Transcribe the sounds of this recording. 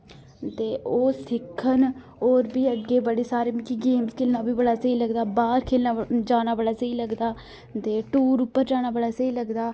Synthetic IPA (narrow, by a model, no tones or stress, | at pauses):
t̪eːʔoːsɪkʰːən | oːɾbiːəɡːeːbəɽeːsaːɾeːmkiɡeːmskʰeːlnaːbiːbəɽaːsəiːləɡd̪aːbaːɾkʰeːlnaːd͡ʒaːnaːbəɽaːsəiːləɡd̪aː | t̪eːʈuːɾʊpːəɾd͡ʒaːñaːbəɽaːsəiːləɡd̪aː